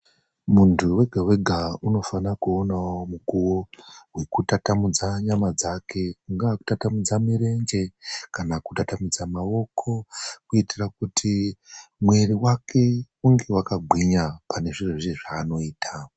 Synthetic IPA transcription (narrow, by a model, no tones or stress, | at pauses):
muntʰuwe̞ɡʱawe̞ɡʱauno̞fanakuonaomukuwo̞wekutatamud͡zaɲamad͡zakʰe̞ŋɡaːku̥tatamud͡zamiɾe̞nd͡ʒe̞kanakutatamid͡zamawo̞kʰo̞kuitirak̚utʰi | mwe̞riwakʰe̞ | uŋɡe̞wakaɡʱwiɲapane̞ʐirwoʐiʐaːno̞iːtʰa